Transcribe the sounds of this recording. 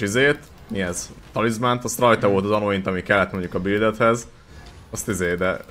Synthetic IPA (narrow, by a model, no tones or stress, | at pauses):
izeːt̪ | miɛzt̪ɒlizmant̪ɒst̪rɒjt̪ɒvo̞lt̪ɒzɒnoint̪ɒmikɛlːɛt̪mo̞ɲɟukɒbild̪ɛt̪hɛz | ɒst̪izeːd̪ɛ